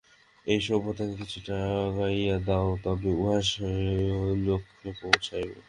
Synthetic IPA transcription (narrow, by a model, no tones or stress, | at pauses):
ejʃɔbʱot̪akekit͡ɕʰuʈaɡajad̪aot̪ɔbeuɦaʃ | lokʰːepowt͡ɕʰajbḛ